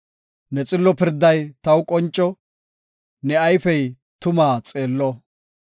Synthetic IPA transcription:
nɛt͡sʼɪlːɔpɪɾd̪ɐjt̪ɐwkʼɔnt͡ʃʼːɔ | nɛɐjfɛj | t̪ʊmaːt͡sʼeːlːɔ

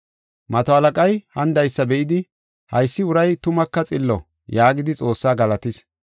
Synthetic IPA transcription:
mɐt̪ɔɐlɐkʼɐjhɐnd̪ɐjsːɐbɛʔɪd̪ɪ | hɐjsːɪʊɾɐjt̪ʊmɐkːɐt͡sʼɪlːɔ̰ | jaːɡɪd̪ɪt͡sʼo̞ːsːaːɡɐlɐt̪ɪs

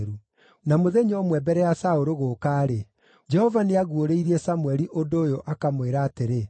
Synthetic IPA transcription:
ɾu | namoðeɲɔmwɛbɛɾɛjasaoɾoɣokaːɾe | d͡ʒɛhɔvaneaɣwoɾeiɾiɛsamwɛɾiʔondoːjoʔakamweɾaːteɾe

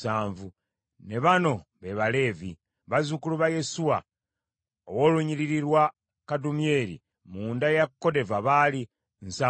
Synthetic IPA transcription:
aːɱvu | ne̞βano̞βe̞βale̞ːvi | βazukuluβaje̞suwa | owoːluɲiɾiɾiɾwa | kadumje̞ɾḭ | muːndajakkːo̞de̞vaβali | nsaː

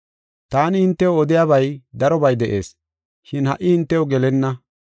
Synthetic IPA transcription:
t̪aːnɪhɪnt̪ːɛwɔd̪ɪjaːβɐjd̪ɐɾɔbɐjd̪ɛʔe̞̰ːs | ʃɪnhɐʔːɪhɪnt̪ːɛwɔɡɛlɛnːɐ

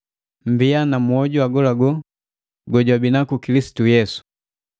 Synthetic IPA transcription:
m̩bianamuɔɟuaɡɔlaɡɔ | ɡɔɟwabinakukilisi̥tujɛsu̥

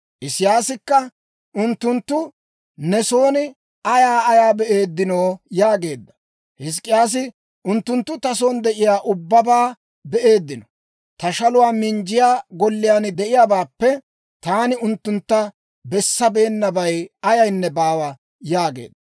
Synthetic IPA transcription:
ʔɪsɪjaːsɪkːɐ | ʊnt̪ːʊnt̪ːʊ | nɛso̞ːnɪ | ɐjaːjaːbɛʔe̞ːd̪ːɪno̞ːjaːɡe̞ːd̪ːɐ̥ | hɪs̬kʼːɪjaːs̬ɪ | ʔʊnt̪ːʊnt̪ːʊt̪ɐs̬o̞ːnd̪ɛʔɪjaːʔʊbːɐbaː | bɛʔe̞ːd̪ːɪnɔ | t̪ɐʃɐlʊwaːmɪɲd͡ʒɪjaːɡɔlːɪjaːnd̪ɛʔɪjaːbaːpːɛ | t̪aːnɪʊnt̪ːʊnt̪ːɐ | bɛsːɐbe̞ːnːɐbɐjɐjɐjnːɛbaːwɐ | jaːɡḛːd̪ːɐ

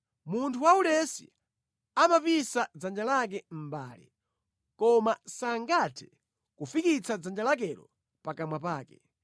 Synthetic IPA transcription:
muntʰuwaulɛsḭ | amapisad͡zand͡ʒalak̬ɛm̩ba̰ːlḭ | kɔmasaŋɡatʰɛ̥ | kufikit͡sad͡zand͡ʒalak̬ɛɾɔ̰ | pakamwapaːkɛ

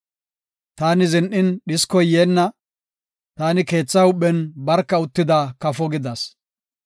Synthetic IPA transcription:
t̪aːnɪzɛnʔɪnɗɪskɔjjeːnːɐ | t̪aːnɪke̞ːt͡sːɐʊɓɛnbɐɾkːɐʊt̪ːɪd̪akɐfɔɡɪd̪ɐs

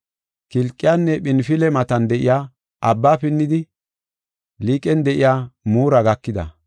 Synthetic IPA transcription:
kɪlkʼːɪjanːɛɓɪnfɪlɛmɐt̪ɐnd̪ɛʔɪjaː | ʔɐbːaːpɪnːɪd̪ɪ | liːkʼɛnd̪ɛʔɪjaːmuːɾɐɡɐkːɪd̪ɐ̰

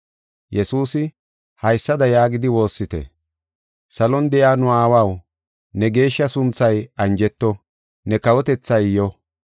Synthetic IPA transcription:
jɛsuːsɪ | hɐjsːɐd̪ɐjaːɡɪd̪ɪwo̞ːsːɪt̪ɛ̰ | sɐlɔnd̪ɛjaːnʊaːwaw | nɛɡe̞ːʃːɐsʊnt͡sːɐjɐnd͡ʒɛt̪ːɔ | nɛkɐwɔt̪ɛt͡sːɐjjɔ

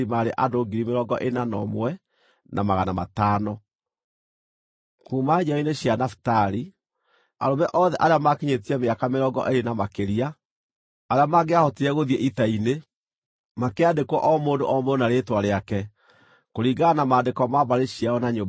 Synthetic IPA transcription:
imaɾeʔadoːɡiɾimeɾɔɡɔʔenanɔmwɛ | nʔa̰maɣanama̰taːnɔ | kuːmaɲɔineɕjanafi̥taɾi | a̰ɾomɛʔɔðɛʔaɾeamakeɲetiɛmeakameɾɔɡɔ̰ʔeɾenamakeɾiaː | ɾeamaɡeahɔtiɾɛɣoðiɛʔitaine | makeadekwɔʔɔmoːndo̰ʔɔmoɔnaɾetwaɾeakɛ | koɾiːɡanamaːndekɔmaβaɾeɕiaɔnaɲo

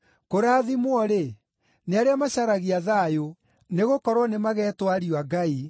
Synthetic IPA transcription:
koɾaːðimwɔɾe | neaɾeamaɕaɾaɣiaðaːjo | neɣokɔɾwɔnemaɣɛːtwaɾioaɡai

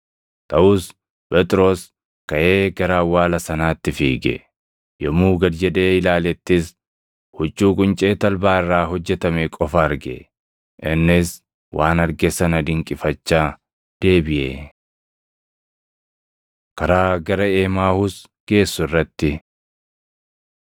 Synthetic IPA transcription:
t̪ʼɐʔʊs | pʼɛt̪ʼɪɾo̞ːs | kɐʔe̞ːɡɐɾaːwaːlɐsɐnaːt̪ːɪfiːɡɛ̰ | jɔmuːɡɐd̪d͡ʒɛᶑe̞ːɪlaːlɛt̪ːɪs | hʊt͡ʃːuːkʼʊnt͡ʃʼe̞ːt̪ɐlbaːɪrːaːɦɔd͡ʒːɛt̪ɐmɛkʼɔfɐːɾɡɛ̰ | ʔɪnːɪs | wʔaːnɐɾɡɛsɐnɐd̪ɪŋkʼɪfɐt͡ʃːaː | d̪̥e̞ːbɪʔḛː | kɐɾaːɡɐɾɐeːmaːhʊs | ɡ̥e̞ːsːʊrːɐt̪ːɪ

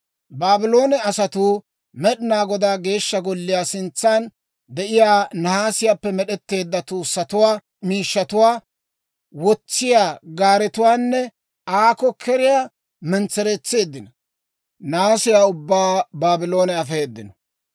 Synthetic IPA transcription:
baːbɪlo̞ːnɛɐsɐt̪uː | mɛɗɪnaːɡɔd̪aːɡe̞ːʃːɐɡɔlːɪjaːsɪnt͡sːan | d̪ɛʔɪjaːnɐhaːsɪjaːpːɛmɛɗɛt̪ːe̞ːd̪ːɐt̪uːsːɐt̪ʊwaː | miːʃːɐt̪ʊwaː | wɔt͡sːɪjaːɡaːɾɛt̪ʊwaːnːɛ | aːkɔkʰɛɾɪjaː | mɛnt͡sɛɾɛt͡sːe̞ːd̪ːɪnɐ | naːsɪjaːʊbːaːbaːbɪlo̞ːnɛɐfeːd̪ːɪnɔ̥

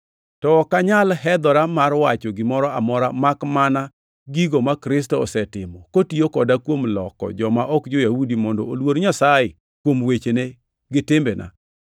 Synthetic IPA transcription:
tɔkaɲalɦɛd̪ɔɾamarwat͡ʃɔɡɪmɔɾɔamɔɾamakmana | ɡiɡomakɾɪs̬tɔːsɛtɪmɔkotiokɔdakwomlɔkɔ̰d͡ʒɔmaʔɔkd͡ʒojahudimɔndɔʔolwoɾɲasaje | kwomwet͡ʃene | ɡɪtɪmbenʔa̰

